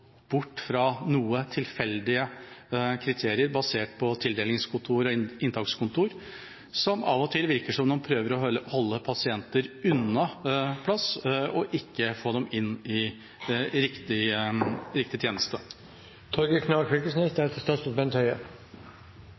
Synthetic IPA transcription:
b̥ʊʈːfɾɑnuːət̪ʰɪlfɛld̪ɪə | kʰɾɪt̪ʰeːɾɪəɾbɑseːʈpʰɔt̪ʰɪld̪eːlɪŋskʰʊnt̪ʰuːɾɔɪnt̪ʰɑkskʊnt̪ʰuːɾ | sɔmʔɑ̰ʋɔt̪ʰɪlʋɪɾkəʂɔmd̪ɛmpʰɾøːʋəɾɔhɔlːəpʰɑsɪɛnt̪əɾʉnɑpʰlɑsɔʔɪkːəfoːd̪ɛmɪnːɪ | ɾɪkt̪ɪ | ɾɪk̚t̪ɪt̪ʰjeːnəst̪ə | t̪ʰɔɾɡəkʰnɑkʰʋɪkəsnɛsd̪ɛt̪ʰəst̪ɑsəbɛnt̪ʰhœʏə

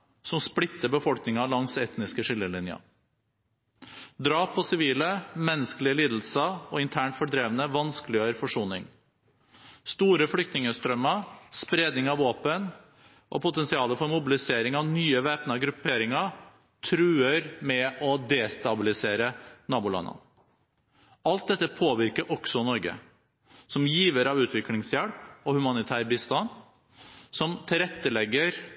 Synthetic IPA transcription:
sɔmsplɪt̪ːəbəfɔlknɪŋɑlɑŋsɛt̪nɪskəʂɪlːəlɪnjɑ̰ | d̪ɾɑːpʰːɔsɪʋiːləmɛnːəskəlɪəliːd̪l̩səɔɪnt̪ʰæːɳʈfɔɖɾeːʋənəʋɑnskəlɪjøːəɾfɔʂuːnɪŋ | st̪uːɾəfɽʏkt̪nɪŋəst̪ɾœmːɑspɾeːd̪nɪŋɑʋɑːpən | ʔɔ̰pʰʊt̪ɛnsɪɑːləfɔɾmʊbɪlɪseːɾɪŋɑʋnyːəʋeːpnɑɡɾʉpeːɾɪŋɑ | t̪ʰɾʉːəɾmɛɔd̪eːst̪ɑbɪlɪseːɾənɑːbʊlɑ̰nːə̰n | ʔɑlt̪̚d̪ɛt̪ːəpʰoːʋɪɾkəɾʔɔksɔnɔɾɡə̰ | sɔmjiːʋəɾɑʋʉːt̪ʰʋɪklɪŋsjæɽpɔhʉmɑnɪt̪ʰæːɾbist̪ɑn | sɔmt̪ʰɪlɾɛt̪ːəlɛɡːəɾ

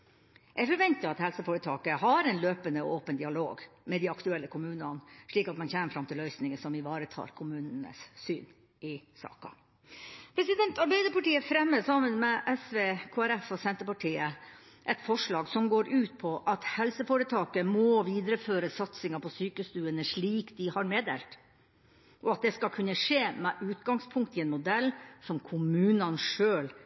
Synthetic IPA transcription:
ʔæɾfɔɾʋɛnt̪ɪɑt̪hɛlsəfoːɾət̪ʰɑːkəhɑɾɛnløːpənəoːpənd̪ɪɑlo̰ːɡmɛd̪iɑkt̪ʉɛlːəkʰʊmʉːnɑnʂɭiːkɑt̪mɛnçeːməɾfɾɑmt̪ʰɪlœʏsnɪŋəsɔmɪʋɑːɾət̪ʰɑ̰ːɾkʰʊmʉːnənə̰ssyːn | ɪsɑ̰ːkɑ̰ | pʰɾɛsɪd̪ɛnt̪ɑɾbæɪd̪əpɑʈiːəfɾɛmːəsɑmənmɛʔɛsʋeːkʰoːæɾɛfɔsɛnt̪əpɑʈʰiːə | ʔɛt̪fɔʂɭɑːɡsɔmɡoːɾʉːt̪̚pʰɔʔɑt̪hɛlsəfoːɾət̪ʰɑːkəmɔʋiːd̪ɾəføːɾəsɑt̪sɪŋɑpʰɔsyːkəst̪ʉːənəʂɭiːkd̪ɪhɑɾmeːd̪ḛːlt̪ | ʔɔɑt̪̚d̪ɛskɑlkʰʉnːəʂeːmɛʔʉːt̪ɡɑŋspʰʊŋk̚t̪ɪɛnmʊd̪ɛlːsɔmkʰʊmʉːnɑnʂøːl

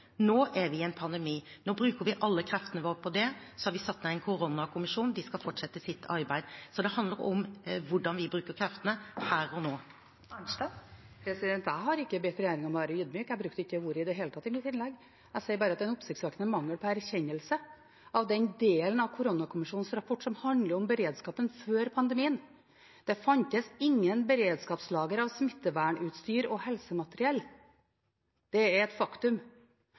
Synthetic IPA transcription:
noːʔæɾʋɪɛnpʰɑnd̪ɛmiːnoːbɾʉːkəɾʋɪʔɑlːəkʰɾɛft̪ənəʋoːɾpʰɔd̪ɛsɔhɑɾʋɪsɑt̪ːmɛɛɪnkʰʊɾɔnːɑkʰʊmɪʂuːnd̪ɪskɑlfɔʈʂɛt̪ːəsɪt̪ːɑɾbæɪd̪sɔd̪ɛhɑnd̪ləɾɔmʋʊɖɑnʋɪbɾʉːkəɾkʰɾɛft̪ənəhæːɾɔnoː | ɑ | pʰɾɛsɪd̪ɛnt̪æɪɦɑɾɪkːəbɛt̪ːɾɛjæːɾɪŋɔmɔʋæːɾəjʉd̪myːkæɪbɾʉk̚t̪ɪkːəʋuːɾəɪd̪ɛɦeːlət̪ʰɑt̪ːɪmɪt̪ːɪnlɛɡ | æsɛɪbɑːɾəɑt̪ːɛɪnʊpsɪk̚t̪sʋɛːk̪nəmɑŋːəɾpʰɔæɾçɛɲːəlsə | ɑʋd̪ɛnd̪eːlənɑʋkʰʊɾɔnɑkʰʊmɪʂuːn̩sɾɑpʰɔʈːsɔmhɑnd̪ləɾɔmbəɾeːd̪skɑːpənføːɾpʰɑnd̪əmiːən | d̪̥ɛfɑnt̪əsɪŋːənbəɾeːd̪skɑːpslɑːɡəɾɑʋsmɪt̪ːəʋæːɳʉːt̪st̪yːɾɔhɛlsəmɑt̪ɾɪɛl | d̪̥ɛæɾɛt̪fɑkt̪ʉm

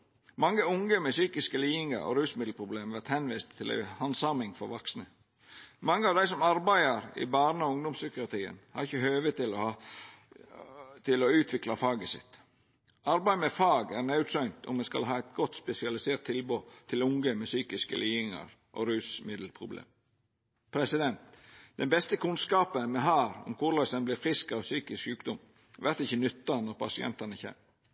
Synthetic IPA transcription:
mɑŋːəʊŋɡəmɛsyːkɪskəliːɪŋə̰ɾɔ̰ɾʉːsmɪd̪l̩pʰɾʊbleːmʋæɾt̪hɛnʋiːst̪ʰːɪlæ̰ɪhɑnsɑmɪŋfɔɾʋɑksnə | mɑŋːəɑʋd̪æɪsɔmɑɾbæɪəɾɪ̰bɑːɾnəɔʊŋd̪ʊmsʏkɪʊɑt̪ʰiːə̰nhɑɾɪçːəhøːʋət̪ɪlɔh | t̪ʰɪlɔʉːt̪ʰʋɪklɑfɑːɡəsɪ̰t̪ | ɑɾbæɪmɛfɑːɡæɾnæʉt̪sœʏnt̪ʰʊ̰mːɛskɑ̰lɦɑːæɪt̪̚ɡɔt̪ːspɛsɪɑlɪseːɾt̪ʰːɪlboːt̪ʰɪlʊŋɡəmɛsyːkɪskə̰liːɪŋɑ̰ɾ | ʔɔ̰ɾʉːsmɪd̪lpʰɾʊblḛːm | pʰɾɛsɪd̪ɛnt̪d̪̥ɛnbɛst̪əkʰʉnskɑːpənmɛɦæːɾɔ̰mkʰʊɾlɑsənblɪɾfɾɪskɑʋsyːkɪskjʉːkd̪ɔm | ʋæɾt̪ɪçənʉt̪ːɑnɔɾpʰɑsɪɛ̰nt̪ɑnəçɛ̰ːm

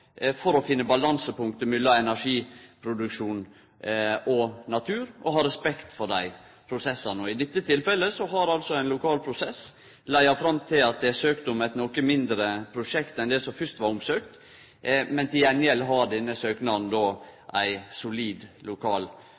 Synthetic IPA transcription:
fɔɾɔfɪnːəbɑlɑnsəpʊŋk̚t̪əmʏlːɑɛnæʂiːpʰɾʊd̪ʉkʂuːn | ʔɔnɑt̪ʰʉːɾɔɦɑɾɛspɛkt̪fɔɖæɪ | pʰɾʊsɛsːɑnəɔɪd̪ɪt̪ːət̪ʰɪlfɛlːəsɔɦɑɾɑlsɔæɪnlʊkʰɑːlpʰɾʊsɛs | læɪɑfɾɑmt̪ʰɪlɑt̪̚d̪ɛsøːkt̪əʊmæɪt̪nɔkəmɪnd̪ɾəpʰɾʊʂɛkt̪ɛnd̪ɛsɔmfʏst̪ʋɑɾʊmsøːkt̪ | mɛnt̪ʰɪjɛnjɛlɦɑɾd̪ɛnːəsøːknɑn̩d̪oːʔæɪsʊliːd̪lʊkʰɑːl

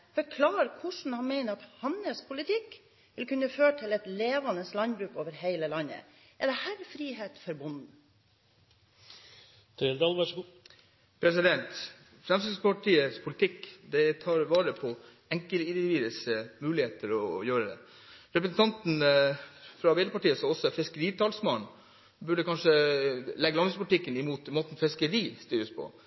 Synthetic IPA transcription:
fɔɾkʰlɑːɾkʰʊʂn̩hɑnmeɪnəɑt̪hɑnːəspʰʊlɪt̪ʰɪkː | ʋɪlkʉnːəføːʈʰɪlɛt̪leːʋɑnəslɑnbɾʉːkoːʋəɾɦeɪləlɑnːə̰ | ʔɛɖ̪ɛhæːɾfɾiːɦeːt̪fɔɾbʊnn̩ | t̪ʰɾeld̪ɑlʋæ | pʰɾɛsɪd̪ɛnt̪ | fɾɛmsɪspʰɑʈʰiːəspʰʊlɪt̪ʰɪkːd̪ɛt̪ʰɑːɾʋɑːɾəpʰɔ | ɛŋkəlɪnd̪ɪɪʋiːd̪əsmʉːlɪheːt̪əɾɔjøːɾəd̪ɛ̰ | ɾɛpɾəsn̩t̪ɑnt̪n̩ | fɾɑbɛɪd̪ɾəpɑʈiːəsɔɔsːɔfɪskəɾiːt̪ʰɑːlsmɑːn | bʉɖəkɑnʂəlɛɡəlɑnʋəspʊlʈ̪ɪkːənɪmuːt̪moːt̪n̩fɪskəɾiːst̪yːɾəspʰɔ̰

